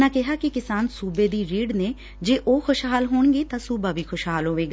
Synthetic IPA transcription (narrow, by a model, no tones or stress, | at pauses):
nãːkɛɦaːkɪkɪsaːnsuːbeːd̪iːɾiːɖneː | d͡ʒeːʔoːxʰʊʃɦaːlɦoːɳɡeːt̪ãːsuːbaːʋiːkʰʊʃɦaːlɦoːʋeːɡa